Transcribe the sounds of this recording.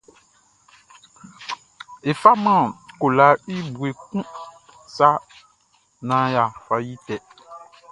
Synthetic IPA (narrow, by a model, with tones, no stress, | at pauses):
e˨fa˦mã˦˨ko˨la˨˦i˦bu˨e˨k̚ũ˦ | sa˦ | nã˨˦ja˨fa˨ji˦tɛ˨